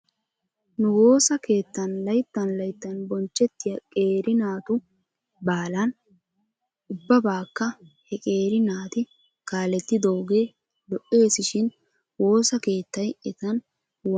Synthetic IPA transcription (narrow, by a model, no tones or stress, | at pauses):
nʊwo̞ːsɐke̞ːt̪ːɐnlɐjt̪ːɐnlɐjt̪ːɐnbɔnt͡ʃːɛt̪ːɪjɐkʼe̞ːɾɪnaːt̪ʊ | baːlɐn | ʊbːɐbaːkːɐhɛkʼe̞ːɾɪnaːt̪ɪ | kaːlɛt̪ːɪd̪ɔwɡe̞ː | lɔʔeːsɪʃɪn | wo̞ːsɐke̞ːt̪ːɐjɛt̪ɐn | w